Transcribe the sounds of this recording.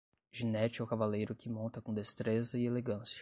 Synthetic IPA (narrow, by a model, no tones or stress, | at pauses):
ʒinɛt͡ʃɪɛwkavalejɾʊkɪmõnt̪ɐkõd̪est̪ɾezɐɪeleɡɐ̃sijɐ̥